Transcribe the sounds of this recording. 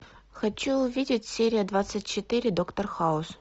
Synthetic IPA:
xɐt͡ɕːuʊvʲidʲɪtʲsʲeɾʲɪjəd̪vat̪sɨtʲt͡ɕɪt̪ɨɾʲɪd̪okt̪orxaʊs

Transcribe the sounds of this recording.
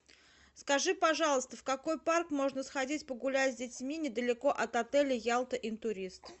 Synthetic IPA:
skɐʐɨpɐʐɑlˠəst̪əfkɐko̞jparkmo̞ʐnəsxɐdʲitʲpəɡʊlʲazʲdʲɪtʲmʲinʲɪd̪əlʲɪko̞ʔɐt̪ɐt̪ɛlʲɪjalˠt̪əʔɪnt̪ʊɾʲist̪

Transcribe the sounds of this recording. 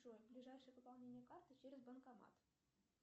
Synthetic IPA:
ojblʲiʐajʂɨjəvɨpɑlˠnʲenʲɪjəkart̪ɨt͡ɕeɾʲɪzbənkamɑ̰t̪

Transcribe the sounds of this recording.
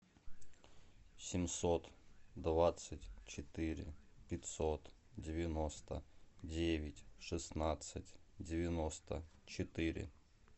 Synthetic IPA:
sʲɪmsot̪d̪vat̪sɨtʲt͡ɕɪt̪ɨɾʲɪ̰pʲɪtʲsot̪ | dʲɪvʲɪnost̪ədʲevʲɪtʲʂɨsnat̪sɨtʲdʲɪvʲɪnost̪ət͡ɕɪt̪ɨɾʲɪ̰

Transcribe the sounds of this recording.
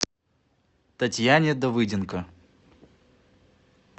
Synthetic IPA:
t̪ɐtʲjanʲɪd̪ɐvɨdʲɪnkə

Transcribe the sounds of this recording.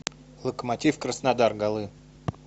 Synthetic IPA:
lˠəkəmɐtʲifkɾəsnɐd̪arɡɐlˠɨ

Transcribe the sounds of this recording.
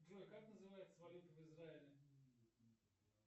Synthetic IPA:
dojkaknəzɨvajɪt̪səvɐlʲut̪əvɨzraɪlʲɪ

